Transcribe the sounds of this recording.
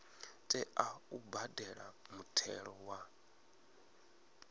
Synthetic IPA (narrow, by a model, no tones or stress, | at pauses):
tʼɛaubadɛɺamutʰɛ̰ɺɔwa